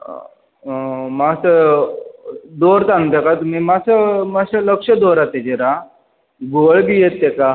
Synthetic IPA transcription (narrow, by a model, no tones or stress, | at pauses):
masə | d̪oɾt̪anũt̪ekat̪umimasəmasələkʂəd̪oɾat̪ed͡ʑeɾa | ɡoɭbijet̪ːeka